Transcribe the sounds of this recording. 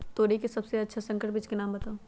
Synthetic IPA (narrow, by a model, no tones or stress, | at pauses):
t̪oːɾikesɐbseɐtːʃʰasɐ̃ŋkəʈbɪt͡ʃkenaːmbɐt̪ao